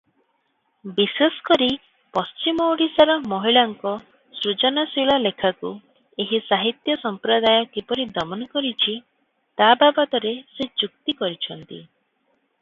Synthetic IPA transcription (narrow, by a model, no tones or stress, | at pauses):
bisesɔ̥kɔɾi | pɔst͡ʃimɔwɽisaɾɔmɔɦiɭaŋkɔ | sɾud͡ʒɔnasiɭalekʰaku | eɦisaɦit̪jɔsɔmpɾɔd̪ajɔkipɔɾid̪ɔmɔnɔkɔɾit͡ʃʰi | t̪ababɔt̪ɔɾesed͡ʒuk̚t̪ikɔɾit͡ʃʰɔnt̪ḭ